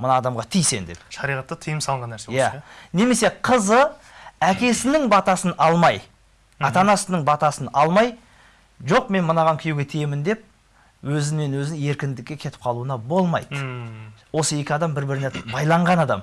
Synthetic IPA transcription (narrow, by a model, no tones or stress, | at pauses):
mənɑːd̪ɑmʁɑt̪ʰijse̞nd̪e̞̰pʃɑɾijʁɑt̪ːət̪ʰijəmsɑlˠəɴʁɑnːæɾsejæne̞me̞se̞qʰəzə | ækʲe̞sɪnɪŋbɑt̪ɑsənɑlˠmɑj | ɑt̪ɑnɑsənəɴbɑt̪ɑsənɑlˠmɑj | ʒoq̚me̞nmənɑʁɑŋkʲʰʏjewɡʲe̞t̪ʰijemɪnd̪e̞p̚ | wɵzɪne̞nwɵzɪŋe̞ɾkʲɪnd̪ɪkʲːe̞kʲʰe̞t̪ɪ̥p̚qʰɑlˠuənɑbo̞lˠmɑ̰jd̪əwo̞səe̞kʲɪɑd̪ɑmbɪɾbɪɾɪnebɑjlˠɑɴʁɑnɑd̪ɑm